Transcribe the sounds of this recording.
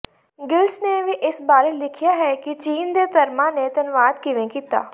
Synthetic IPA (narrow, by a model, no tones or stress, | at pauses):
ɡɪlsneʋeʔɪsbaːɾelɪkʰijaɦɛkit͡ʃiːnd̪et̪ɐɾmãnet̪ɐnʋaːd̪kiʋẽkiːt̪a̰ː